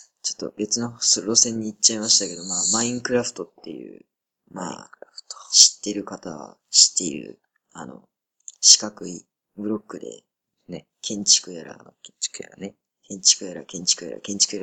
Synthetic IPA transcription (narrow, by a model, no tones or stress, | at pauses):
t͡ɕo̞̥t̪ːo̞̰be̞t͡sɨno̞soɾo̞sẽ̞ɲ̟ːiːt͡ɕːaimaɕi̥t̪ake̞d̪o̞maːmaĩŋkɯ̟ɾaɸɯ̟̥t̪o̞t̪ːe̞̰jɯ̟̰ː | ma̰ː | ɕi̥t̪ːe̞ɾɯ̟kat̪aβa̰ | ɕi̥t̪ːe̞ḭɾɯ̟̰ | ano̞̰ | ɕi̥kakɯ̟i | bɯ̟ɾo̞kːɯ̟d̪e̞̰ | kʰẽ̞ɲ̟t͡ɕi̥kɯ̟jaɾa̰̥kja̰ɾane | kʰẽ̞ɲ̟t͡ɕi̥kɯ̟jaɾakẽ̞ɲ̟t͡ɕi̥kɯ̟ja̰ɾa̰kẽ̞ɲ̟t͡ɕi̥kɯ̟jaɾ